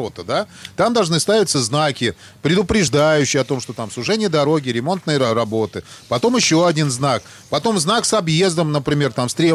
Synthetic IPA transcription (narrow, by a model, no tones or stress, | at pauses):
ot̪əd̪at̪amd̪ɐlˠʐnɨst̪avʲɪt̪səznakʲɪ | pɾʲɪd̪ʊpɾʲɪʐd̪ajʉɕːɪjɐt̪o̞mʂt̪o̞t̪amsˠʊʐɛnʲɪjəd̪ɐɾo̞ɡʲɪɾʲɪmo̞nt̪nɨjərɐbo̞t̪ɨpɐt̪o̞mɪɕːoɐdʲinznak̚ | pɐt̪o̞mznaksɐbje̞zd̪əmnəpɾʲɪmʲe̞rt̪amst̪ɾʲe